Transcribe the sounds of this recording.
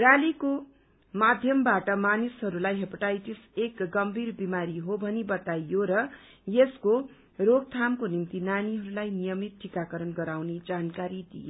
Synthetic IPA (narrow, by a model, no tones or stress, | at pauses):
rjaliko | mad̪ʱjʌmbaʈʌmanisɦʌɾulajɦepʌʈajʈisekɡʌmbʱirbimaɾiɦobʱʌnibʌt̪ajoɾʌ | jesko | roɡ̚t̪ʰamkonimt̪inaniɦʌɾulajnijʌmit̪̚ʈʰːikakʌɾʌnɡʌɾawned͡zankaɾid̪ḭjo